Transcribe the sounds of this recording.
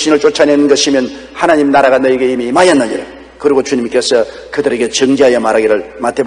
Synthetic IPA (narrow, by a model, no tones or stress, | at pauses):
ɕʰinɯɭt͡ɕ͈ot͡ɕʰanenɯnɡʌɕʰimjʌn | hanaɲimnaɾaɣanʌiɡeimimajʌnːɯɲiɾa̰ | kɯɾiɡot͡ɕuɲimk͈e̞sʰʌ | kɯdɯɾe̞ɡe̞t͡ɕʌŋd͡ʑiɦajʌmaɾaɡiɾɯɭmat̪ʰeb